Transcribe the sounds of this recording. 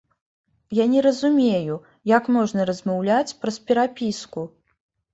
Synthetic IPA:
janʲɛɾɐzumʲeju | jakmɔʐnɐɾɐzmawlʲat͡sʲpɾɐspʲɛɾapʲisku

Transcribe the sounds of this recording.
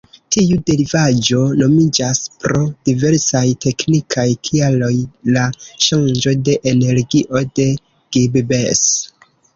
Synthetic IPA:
tiude̞ɾivad͡ʒo̞no̞mid͡ʒaspɾo̞d̥ive̞ɾsajte̞knikʰajkʰialo̞jlaʃand͡ʒo̞de̞ʔene̞ɾɡiʔo̞de̞ | ɡ̥ibbes

